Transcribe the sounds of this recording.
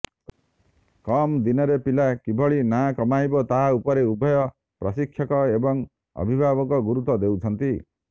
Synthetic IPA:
kɔmd̪inɔɾepilakibʱɔɭinakɔmajbɔt̪aɦaupɔɾeubʱɔjɔ | pɾɔsikʰːjɔkɔebɔŋ | ɔ̰bʱibʱabɔkɔɡuɾut̪ɔd̪ewt͡ʃʰɔnt̪i

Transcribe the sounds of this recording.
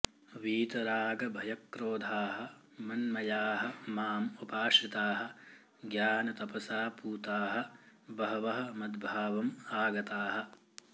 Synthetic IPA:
ʋiːt̪ɐɾaːɡɐbʱɐjɐkːɾoːd̪ʱaːɦɐ̆ | mɐnmɐjaːɦɐmaːmupaːʂit̪aːɦɐ̆ | ɡjaːnɐt̪ɐpɐsaːpuːt̪aːɦɐ̆bɐɦɐʋɐɦɐ̆mɐd̪̚bʱaːʋɐmaːɡɐt̪aːɦɐ̆

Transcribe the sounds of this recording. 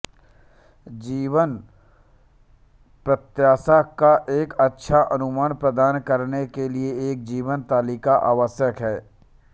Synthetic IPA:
d͡ʒiːʋən | pɾət̪jaːsakaʔeːkɐtːʃʰaʔɐnʊmaːnpɾəd̪aːnkɐɾnekelieeːk̚d͡ʒiːʋənt̪aːliːkaʔa̰ːʋəsjəkɦɛː

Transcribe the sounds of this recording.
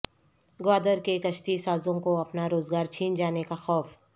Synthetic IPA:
ɡaːd̪əɾkekɐʃt̪isaːzõkoɐpnaɾoːzɡaːɾt͡ʃʰiːnd͡ʒaːnekaxɔːf

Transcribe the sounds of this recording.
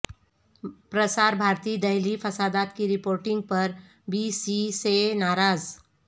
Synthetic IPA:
pɾəsaːɾbʱaːɾt̪iːd̪ɐɦlifʰɐsaːd̪aːt̪kiɾɪpoːɾʈɪ̃ŋɡ̚pɐɾ | bisisenaːɾaːz

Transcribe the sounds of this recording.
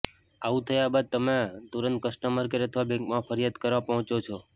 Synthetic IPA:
aʋũt̪ʰəjabad̪̚t̪əmet̪uɾənt̪̚kəsʈəməɾkeɾət̪ʰʋabɛ̃ŋkmãfʰəɾjad̪kəɾʋãpəɦɔ̃t͡ʃot͡ʃʰɔ

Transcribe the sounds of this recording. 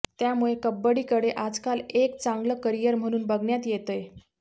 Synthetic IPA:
t̪jamuɭekəbːəɽiːkəɽeʔad͡zkalekt͡saŋɡləkəɾijəɾm̤əɽ̃uːnbəɡɳjat̪jet̪əj

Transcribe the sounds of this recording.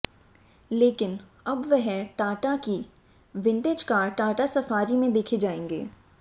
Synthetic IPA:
leːkɪn | ɐbʋɛɦɛʈaːʈaki | ʋɪ̃ɳʈeːd͡ʒkaːɾʈaːʈasɐfaːɾimẽd̪eːkʰed͡ʒaːẽːŋɡḛː

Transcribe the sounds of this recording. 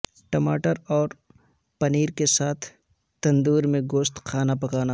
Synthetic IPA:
ʈɐma̰ːʈəɾɔːɾ | pɐniːɾkesaːt̪ʰ | t̪ɐ̃nd̪uːɾmẽɡoːst̪kʰaːnapɐkaːna

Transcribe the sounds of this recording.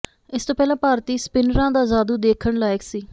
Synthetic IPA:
ɪst̪oːpɛːlãːpaːɾt̪iːspɪnɾãːd̪aːzaːd̪uːd̪eːkʰəɳlaːɪksiː

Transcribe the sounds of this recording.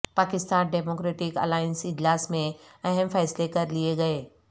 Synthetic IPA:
paːkɪst̪aːnɖɛːmoːkɾeːʈɪkɐ̰laːɪnsɪd͡ʒlaːsmẽ | ɛɦɛmfɛːslekɐɾlieɡɐeː

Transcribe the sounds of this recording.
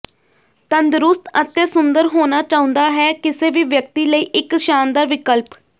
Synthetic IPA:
t̪ənd̪ɾʊst̪ət̪eːsʊnd̪əɾɦoːnaːt͡ʃaːʊ̃nd̪aːɦɛːkɪseːʋiːʋjək̚t̪iːləiːʔɪkʃaːnd̪aːʋɪkəlp

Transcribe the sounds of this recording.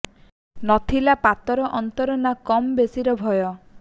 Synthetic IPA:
nɔt̪ʰilapat̪ɔɾɔʔɔnt̪ɔɾɔnakɔmbesiɾɔbʱɔjɔ

